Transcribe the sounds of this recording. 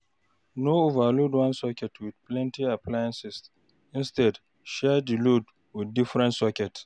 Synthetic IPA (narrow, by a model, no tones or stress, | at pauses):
noovaludwãnsɔkɛtwid̪plɛ̃ntiaplajãnsɛs | ĩnstɛd | ʃɛdilod | wid̚difɾɛ̃ntsɔkɛt